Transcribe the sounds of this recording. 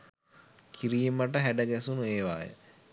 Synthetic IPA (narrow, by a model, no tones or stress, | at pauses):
kʰiɾiːməʈəɦæɖəɡæsunueːʋaːjə̰